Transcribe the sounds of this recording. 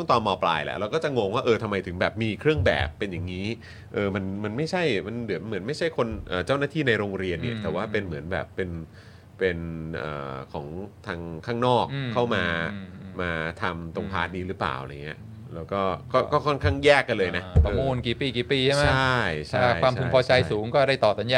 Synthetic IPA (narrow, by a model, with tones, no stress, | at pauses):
ɯ˥˩ŋt̪ɔː˧nmɔː˧pla̰ː˧jlɛ̰˨˩ʔɾa˧wkɔː˥˩t͡ɕa˨˩ŋoː˧ŋwaː˥˩ʔɤː˧t̪ʰa˧mːa˧jt̪ʰɯ˩˦ŋbɛː˨˩p̚miː˧kʰɾɯ˥˩əŋbɛ̰ː˨˩pːe˧nja˨˩ŋːiː˦˥ | ʔɤː˧ma˧nma˧nma˥˩jt͡ɕʰa˥˩jma˧ndɯ˩˦ənmɯ˩˦nma˥˩jt͡ɕʰa˥˩jkʰo˧nʔɤː˨˩t͡ɕaː˥˩wnaː˥˩t̪ʰiː˥˩na˧jɾoː˧ŋɾi˧ənːi˥˩ɐt̪ɛː˨˩waː˥˩pe˧nmɯ˩˦ənbɛ̰ː˨˩pːe˧n | pe˧nʔɤ̰ː˨˩kʰɔ̰ː˩˦ŋt̪ʰaː˧ŋkʰaː˥˩ŋnɔː˥˩kʰːa˥˩wmaː˧maː˧t̪ʰa˧mt̪o˧ŋpʰa̰ː˦˥t̪̚niː˧ɾɯ˦˥pla̰ː˨˩wʔl̰a˧ŋi˦˥ɐʔ | lɛː˦˥wkɔː˥˩kɔː˥˩kɔː˥˩kʰɔ˥˩nkʰaː˥˩ŋjɛː˥˩kːa˧lɤː˧jnaː˦˥˧mu˧nki˨˩piː˧˩kiː˨˩piː˧˩t͡ɕʰa˥˩mt͡ɕʰa˥˩jt͡ɕʰa˥˩jwaː˧mt̪ʰpʰɔː˧t͡ɕa˧jsuː˨˩˦ŋkɔː˥˩ɾa˥˩jt̪ɔː˨˩sa˩˦nja˧